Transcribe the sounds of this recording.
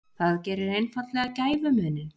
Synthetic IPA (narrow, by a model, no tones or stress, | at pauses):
θaðcɛːɾɪɾejnfat̪lɛɣacaːjvʏmʏːnʏ